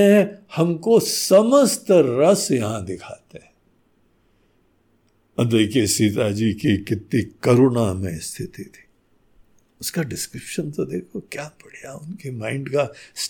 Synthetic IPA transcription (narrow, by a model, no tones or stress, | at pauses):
ɦɛ̃hɐmkosɐməst̪ɾɐsjɐɦãd̪ɪkʰaːt̪eɦɛ̃ | ɐd̪əikesiːt̪ad͡ʒikikɪt̪nikɐɾʊnamḛ̃st̪ʰɪt̪it̪ʰi̥ | ʊskaɖɪskɾɪpʃənt̪od̪eːkʰokjaːpɐɽ̤jaʊnkemãːɪ̃ɳɖkas